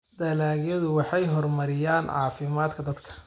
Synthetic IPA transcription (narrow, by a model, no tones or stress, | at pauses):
d̪̥ɐlaːɣjɐðʊwɑħɑjɦɔrmɐɾɪjaːnʕɑ̰ːfɪmaːd̪kʰɐd̪ɐd̪kʰɐ̥